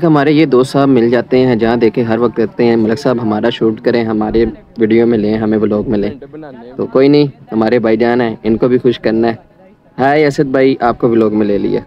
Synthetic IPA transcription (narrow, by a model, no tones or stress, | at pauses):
kɦɐmaːɾejed̪oːst̪saːbmɪld͡ʒaːt̪eɦɛ̃ɦɛ̃d͡ʒɐɦãd̪eːkʰẽɦɐɾʋɐk̚t̪ɐːt̪eɦɛ̃mɐləksaːbɦɐmaːɾaʃuːʈkɐɾẽɦɐmaːɾe | ʋiːɖijomɪ̃lẽːɦɐmẽʋʊloːɡmɪ̃lẽːt̪oːkoːinɐɦĩɦɐmaːɾebʱaːid͡ʒaːnɦɛ̃ɪnkobʱixʊʃkɐɾnaɦɛː | ɦaːiɐsəd̪̚bʱaːiʔaːp̚kobʱiloːɡmɪ̃leːlḭḛː